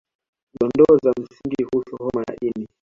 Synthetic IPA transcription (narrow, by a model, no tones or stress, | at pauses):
ɗɔndɔːzam̩siŋɡihusuhɔmaja̰ʔini